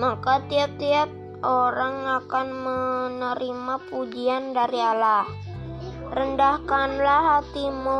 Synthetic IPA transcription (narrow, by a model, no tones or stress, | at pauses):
makat̪iap̚t̪iat̪̚ | oɾaŋakanmənəɾimapud͡ʒiandaɾialah | rəndahkanlaɦat̪imo